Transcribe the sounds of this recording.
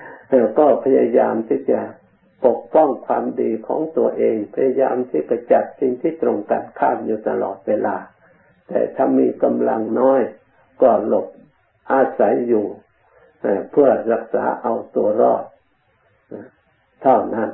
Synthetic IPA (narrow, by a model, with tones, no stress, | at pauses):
lɛ˧˩wkɔː˧˩pʰa˧ja˧jaː˧mt̪ʰiː˧˥˩t͡ɕa˧˩ | po˨˩k̚pɔ˥˩˨ŋkʰwaː˧mdiː˧kʰɔ̰ː˨˦ŋt̪u˧ɐʔeː˧ŋpʰa˧ja˧ja̰ː˧mt̪ʰi˧˥˩pa˧˩t͡ɕa˨˩t̪̚si˧ŋt̪ʰiː˥˩t̪ɾo˧ŋkaː˨nkʰaː˥˩mjuː˧t̪a˧lɔ̰ː˨˩t̪̚weː˧laː˧ | t̪ɛ̰ː˨˧˩t̪ʰa˧˩miː˧ka˧mla˧ŋnɔː˦˥˨j | kɔː˧˩lo˧˩p̚ | ʔaː˧sa˨˦jːuː˧˩ | ha˧˩jpʰɯ˧˩ɐɾa˧k̚sa̰ː˨˦ʔa˧wt̪u˨˧ɐɾɔː˧˩t̪̚ː | t̪ʰa˧˩wna˥˩˨n